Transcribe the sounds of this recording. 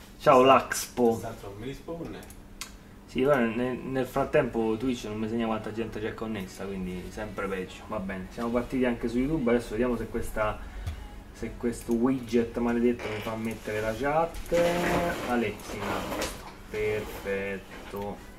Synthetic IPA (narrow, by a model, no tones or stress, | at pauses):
t͡ʃaːolakspoaomiɾispone | sipɛnenelfɾat̪ːɛmpot̪uiit͡ʃnomːiseɲːakwant̪ad͡ʒɛnt̪et͡ʃɛkːonːesːakwind̪isɛmpɾepɛd͡ʒːo̥vabːɛːnesjamopart̪ːiːt̪iaŋkesujːut̪ubad̪ɛsːoved̪jaːmosekːwest̪a | sekwest̪owid͡ʒet̪ːmaled̪et̪ːomifamːet̪ːeɾelat͡ʃat̪ːəalɛksːinaut̪o̥ | perfɛt̪ːo